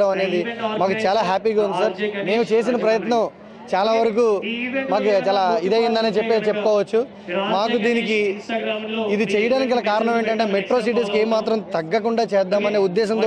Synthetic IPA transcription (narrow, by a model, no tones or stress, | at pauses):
ɐmɐne̞ːd̪imaːkut͡ʃaːlaːɦaːpiːɡaːund̪isɐɾme̞ːmut͡ʃe̞ːsinɐpɾɐjɐt̪nɐm | t͡ʃaːlaːʋɐɾɐk̬uːmaːk̬ut͡ʃaːlaːid̪ejind̪ɐneːt͡ʃepːeːt͡ʃepːukɔːʋɐt͡ʃːu | maːkud̪iːnik̬i | id̪it͡ʃɛjɐɽaːnik̬ɐlɐkaːɾɐɳɐme̞ːɳʈɐɳʈe̞ːmeʈɾo̞ːs̬iʈ̬is̬keːmaːt̪ɾɐmt̪ɐɡːɐkuɳɖaːt͡ʃɛːd̪ːaːmɐneːud̪ːɛːʃ̬ɐnt̪ː